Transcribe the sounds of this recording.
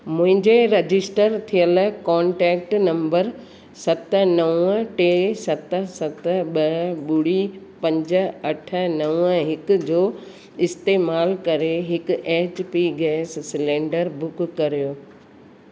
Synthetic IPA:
mʊ̃ɦɪ̃ɲd͡ʑeɾɐd͡ʑɪsʈəɾt̪ʰijəlkɔːɳʈɛːk̚ʈnɐ̃mbəɾ | sɐt̪ə̆nɐʋəʈesɐt̪ə̆sɐt̪ɓɐɓʊɽi | pɐ̃ɲd͡ʑə̆ɐʈʰə̆nɐʋəɦɪkd͡ʑoː | ɪst̪eːmaːlkɐɾeɦɪkʔeːt͡ɕpiɡɛːssɪlẽːɳɖəɾbʊkːɐɾijoː

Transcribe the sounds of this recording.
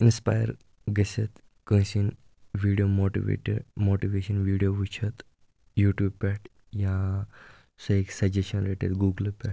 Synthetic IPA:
inspa̰jə̰ɾ | ɡəsət̪ | kə̃sin | ʋiɽijomoʈḭʋḛʈḛɖmoʈiʋeɕənʋiɽijoʋut͡ʃʰət̪ | juʈjuːb̚pʲɛʈ | jã | səeksɐd͡ʑeɕənleʈḛd̪ɡuɡəlpɛʈ̚

